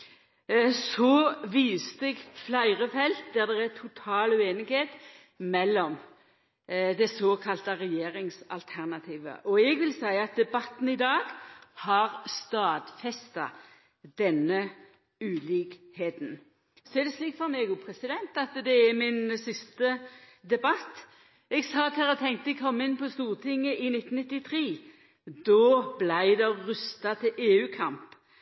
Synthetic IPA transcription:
sɔʋiːst̪ɛɡflæɪɾəfɛlt̪̚d̪æʁd̪ɛʁæt̪ʰʊt̪ʰɑːlʉeːnɪɡheːt̪ | mɛlːɔm | d̪ɛsoːkʰɑlt̪əʁɛjeːɾɪŋsɑ̰lt̪ʰæʁnɑt̪ʰiːʋə̰ʔɔɛɡʋɪlsæɪɑt̪̚d̪ɛbɑt̪n̩ɪd̪ɑːɡhɑɾst̪ɑːd̪fɛst̪ɑ̰ | d̪̥ɛnːə | ʉːliːkheːt̪n̩ | sɔɛd̪ɛsliːkfɔɾmɛɡʊpʰɾɛsɪd̪ɛnt̪ɑt̪d̪ɛɛmɪnsɪst̪əd̪ɛbɑt̪ː | ɛɡsɑːt̪hɛʁət̪ʰɛŋt̪əkʰɔmːɪnpʰɔst̪uːʁt̪ʰɪŋːəʔɪnɪt̪ːn̩ɪt̪ːɪt̪ʰʁiː | d̪ɔːblæɪd̪ɛʁʉst̪ɑt̪ʰɪʔeːʉːkʰɑmp

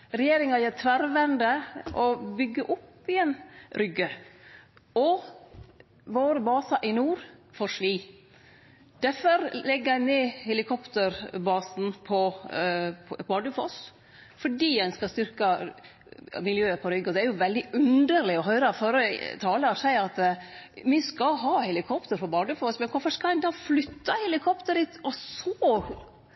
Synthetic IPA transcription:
ɾɛjeːɾɪŋɑjæt̪ʰʋæɾʋɛnd̪əʔɔbʏɡːəʔʊpːɪɛnɾʏɡːə | ɔ | ʋoːɾəbɑːsɑʔɪnuːɾfoːɾʂʋiː | d̪̥æfɔɾlɛɡːəæɪneːhɛlɪkʰɔpt̪əɾbɑːsn̩pʰɔ | bɑːɖʉfɔs | fɔɖiːæɪnskɑst̪ʏɾkɑ | mɪljøːəpʰɔɾʏɡːɔd̪ɛæɾjʊʋɛld̪ɪʉnd̪əɾlɪɔɦœʏɾɑfɔɾət̪ʰɑːləɔsæɪɑt̪mɪskɑɦɑːhɛlɪkʰɔpt̪əɾpɔbɑːɖʉfɔsmɛnkʰɔfəskɑlɛɪd̪ɑːflʏt̪ːɑhɛlɪkʰɔpt̪əɾɪt̪ɔsɔ

